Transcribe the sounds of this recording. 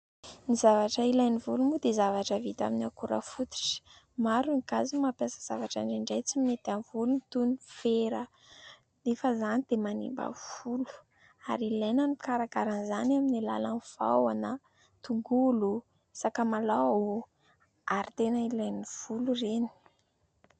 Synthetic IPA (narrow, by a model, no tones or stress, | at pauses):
nizavaʈ͡ʂəilajnivulumud̪ezavaʈ͡ʂəvit̪a̰minakuɾa̰fut̪i̥ʈ͡ʂi̥ | maɾuŋikazimapjasə̥z̥avaʈ͡ʂaɳɖ͡ʐiɳɖ͡ʐajt͡simimet̪anvulunit̪unufeɾə | efəzanid̪̥emanḭmba̰v̥ulu̥ | a̰ɾilajnənikaɾakaɾanzanaminila̰laniv̥a̰wanə | t̪uŋɡulu | sakəmalao | aɾit̪enəilajniv̥ulureni̥